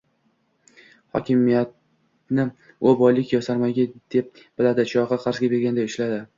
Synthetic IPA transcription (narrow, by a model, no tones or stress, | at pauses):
hɒ̰kʲɪmijat̪̚ | nɪ | obɒjlɪkʲjɒsaɾmaɡʲad̪̥e̞p̚ | b̥ɪlad̪ɪt͡ʃʰɒʁɑqʰɑɾzɡʲabe̞ɾɡʲand̪aɪʃlad̪ɪ